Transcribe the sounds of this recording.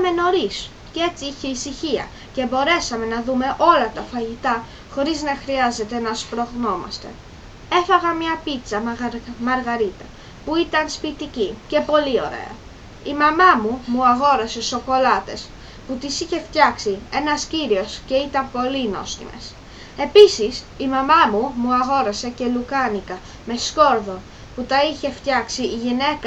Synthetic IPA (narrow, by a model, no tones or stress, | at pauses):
me̞no̞ɾis | cee̞t͡siiçe̞isiçiɐ̰ | ce̞bo̞ɾe̞sɐme̞nɐðume̞ʔo̞lɐt̪ɐfɐʝit̪ɐ | xo̞ɾiznɐxɾiɐze̞t̪e̞nɐspɾo̞ɣno̞mɐ̰st̪e̞̰ | e̞fɐɣɐmɲɐpit͡sɐmɐɾɣɐɾit̪ɐ | puit̪ɐnspit̪icice̞po̞lio̞̰ɾe̞̰ɐ̰ | imɐmɐmumuɐɣo̞ɾɐse̞oso̞ko̞lɐt̪e̞s | put̪isiçe̞ft̪çɐksie̞nɐsciɾio̞sce̞it̪ɐmpo̞lino̞̰st̪ḭme̞̰s | e̞pisis | imɐmɐmumuɐɣo̞ɾɐse̞ce̞lukɐnikɐ | me̞sko̞ɾðo̞ | put̪ɐiçe̞ft̪çɐksiːʝine̞k